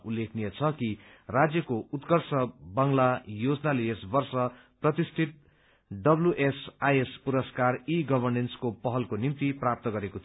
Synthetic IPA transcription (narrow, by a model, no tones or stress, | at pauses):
ulːekʰnijʌt͡sʰʌki | rad͡zjʌkout̪kʌrsʌbʌŋlajod͡znaleesbʌrsʌ | prʌt̪ist̪ʰit̪̚ | ɖʌbluʔesajespuɾʌskariɡʌbʱʌrnenskopʌɦʌlkonimt̪iprap̚t̪ʌɡʌɾekot̪ʰ